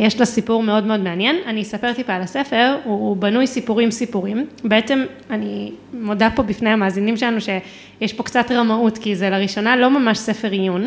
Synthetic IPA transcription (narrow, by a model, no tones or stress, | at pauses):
jeʃlosipuʁme̞o̞dmeo̞d̪meanjenanisape̞ʁt̪ipaːlase̞fe̞ʁubanujsipuʁimsipuʁimbeet͡se̞m | animodapo̞bifnejamaːzinimʃelanuʃe̞ | jeʃpo̞kt͡satʁamautkizelaʁiʃo̞nalo̞mamaʃse̞fe̞ʁijun